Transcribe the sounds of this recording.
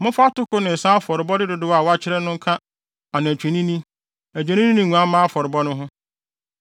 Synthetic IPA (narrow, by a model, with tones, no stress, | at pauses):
mʊ̃˦fa˦tʊ˦kʊ˦nɪ̃˨n̩˨sã˦fɔ˨ɾɪ˨bɔ˦dɪ˦dʊ˦dʊ˦wa˨wa˦t͡ɕʰɪ˦ɾɛ˦nʊ̃˦ŋ̩˦kʰã˦ | a˨nã˨æ˨t͡ɕᶣʰæ˨nĩ˦nĩ˦ | æ˨t͡ɕᶣã˨nĩ˦nĩ˦nɪ̃˨ŋʷũ˨ã˦mãː˦a˦fɔ˨ɾɪ˨bɔ˦nʊ̃˦ɦʊ̃˦